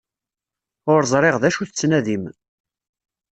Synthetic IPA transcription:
ʊɾzˤɾˤeʁðæʃuθət͡sːnæðim

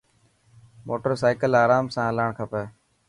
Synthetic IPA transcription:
moːʈəɾsaːɪkəlaːɾaːmsãːəlaɳkʰəpeː

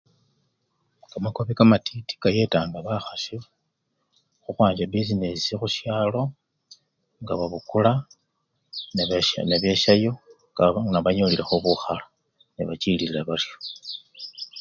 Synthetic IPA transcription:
kamako̞βikamatiti̥kaje̞taːŋɡaβaxasi | xuxwaːɲd͡ʒabizinesixuʃjaːlo̞ | ŋɡaβaβukula | nneβje̞ʃajo̞ | anaβaɲoliɾexoβuxala | niβat͡ʃiliilaβaljo

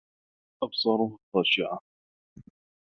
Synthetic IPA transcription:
ʔɑbsˤɑɾˤʊht̪ˤːɑːʃɪʕa

